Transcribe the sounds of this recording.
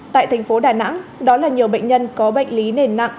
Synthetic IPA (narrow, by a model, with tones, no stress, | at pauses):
t̪a̰ː˧˨jt̪ʰa˨˩ŋ̟fo˨˦ɗaː˨˩na̰˧˥ŋɗɔ˨˦laː˨˩ɲi˨˩əwɓə̰˧˨jŋɲə˧nkɔ˨˦ɓə̰˧˨jŋ̟li˨˦ne˧˩nːa̰˧˨ʔ